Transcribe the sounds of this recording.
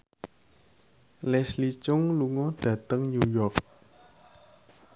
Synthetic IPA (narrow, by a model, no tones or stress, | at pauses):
lɛslit͡ʃʊŋluŋɔɖ̥ä̤t̪əŋɲujɔk̚